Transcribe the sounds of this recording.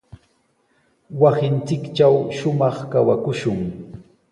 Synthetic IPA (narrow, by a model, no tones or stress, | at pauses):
wasɪnt͡sɪkt͡ʃawʃʊmɑχkawakʊʃʊŋ